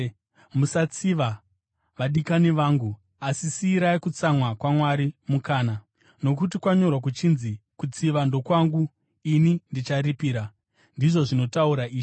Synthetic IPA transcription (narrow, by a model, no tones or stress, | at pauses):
musat͡siʋa | ʋaɗikaniʋaːŋɡu | asisiːɾaikut͡samwakwamwaɾimukaːna | no̞k̬utikwaɲo̞rwak̬ut͡ʃinzikut͡siʋando̞kwaŋɡu | inindit͡ʃaɾipiːɾa | ndiʐo̞ʐino̞tauɾaiːʐi